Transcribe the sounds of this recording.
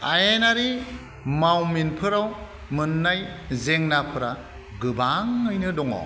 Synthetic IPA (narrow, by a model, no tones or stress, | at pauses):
ajenaɾi | mawminpʰɯɾaw | mɯnːajzeŋnapʰɯɾa | ɡɯbaŋɯjnɯdɔŋɔ̰